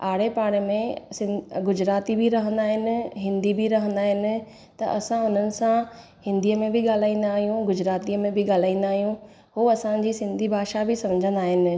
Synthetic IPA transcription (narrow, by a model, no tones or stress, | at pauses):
aːɽ̤epaːɽ̃mẽsɪnɡʊd͡ʑɾaːt̪ibɪɾɐɦə̃nd̪aːɦɪnɪ̆ɦɪ̃nd̪ibɪɾɐɦə̃nd̪aːɦɪnɪ̆ | t̪ɐʔɐsãʊn̤ənɪ̆sã | hɪ̃nd̪ʱijəmẽbɪɠaːl̤aːĩːnd̪aːɦijũɡʊd͡ʑɾaːt̪iəmẽbɪɠaːl̤aːĩːn̆d̪aːɦijũ | ɦuɐsãd͡ʑiːsɪ̃nd̪ʱibʱaːʃabɪsɐ̃md͡ʑʱə̃nd̪aːɦɪnɪ̆